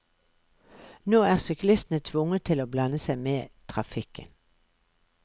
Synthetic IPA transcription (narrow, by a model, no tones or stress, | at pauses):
noːæːʁsʏklɪst̪n̩ət̪ʰʋʊŋət̪ʰɪloːblɑnəsæɪmeːt̪ʰʁɑfɪkə̰n